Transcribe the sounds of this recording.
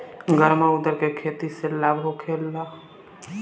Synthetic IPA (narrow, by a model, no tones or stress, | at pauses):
ɡəɾmaʊd̪əɾkekʰeːt̪iselaːbʱɦokʰeːlːa